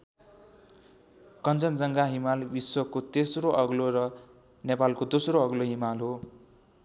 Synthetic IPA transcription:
kʌnt͡sʌnd͡zʌŋɡaɦimalbiswʌkːot̪esroʔʌɡloɾʌ | nepalkod̪osroʌɡloɦimalɦo

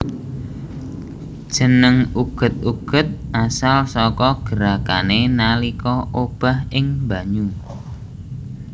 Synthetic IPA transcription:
d̥ʒ̥ə̤nəŋuɡ̥ə̤t̪̚uɡ̥ə̤t̪̚ʔasalsɔkɔɡ̥ə̤ɾaka̰nenalikɔʔob̥a̤hɪŋba̤ɲu

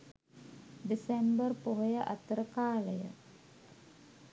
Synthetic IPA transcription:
disembərpoɦojəʔa̰t̪əɾəkaːləjə̰

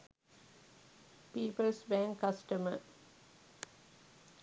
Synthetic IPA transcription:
piːpəlsbæ̃ŋkɐsʈəmə̰

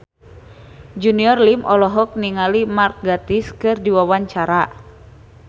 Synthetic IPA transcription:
d͡ʒuniɔrlimʔɔlɔɦɔk̚niŋalimark̚ɡat̪iskɨrdiwawaɲt͡ʃaɾa

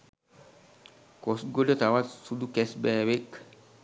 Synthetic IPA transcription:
kɔsɡolɔtawasudukɛsbɛwek

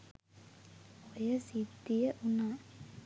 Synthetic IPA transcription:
ojəsid̪ːijəʔuna

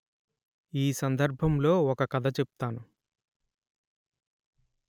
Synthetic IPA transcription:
iːsɐnd̪ɐɾbʱɐmlo̞ːɔkɐkɐd̪ʱɐt͡ʃepu̥t̪aːnu

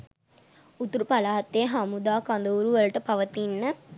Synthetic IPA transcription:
ut̪uɾupalaɦat̪ːejəɦamud̪aːkand̪əuɾuʋələʈəpaʋət̪inːə

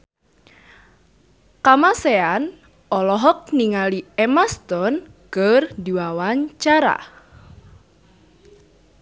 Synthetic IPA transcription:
kamasean | ʔɔlɔɦɔk̚niŋaliɛmast̪ɔnkərd̪iwawaɲt͡ʃaɾa̰

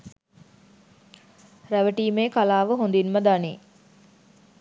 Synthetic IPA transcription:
ɾæʋəʈiːmeːkalaːʋəɦond̪inməd̪ani

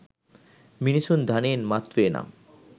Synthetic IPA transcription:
minisund̪ʱanenmat̪ːɾoena̰m

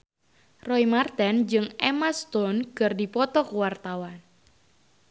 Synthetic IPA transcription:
rɔimart̪ɛnd͡ʒɨŋemast̪ɔnkɨrdipɔt̪ɔkuwart̪awan

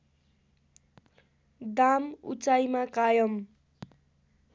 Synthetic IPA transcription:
d̪amṵt͡sajmakajʌm

